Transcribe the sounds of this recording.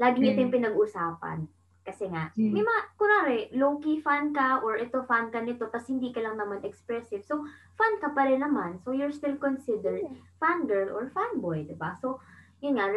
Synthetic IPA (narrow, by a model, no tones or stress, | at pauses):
laːɡɪɲɪt̪ojʊŋpɪnɐɡʊsaːpɐ̰n | kɐsɛŋaʔmɪmakʊnaɾɛlowkifankɐʔoɹʔɛt̪o̞fankɐnɪt̪o̞kɐshɪnd̪ikɐlɐŋnɐmanʔɛkspɹɛsɪv̥so | fankɐpɐɾɪnɐmansojʊɹst̪ɪlkonsɪd̪ɛɹd̪̚fanɡɛɹlo̰ɹfanbojd̪ɪbaso̞jʊnŋa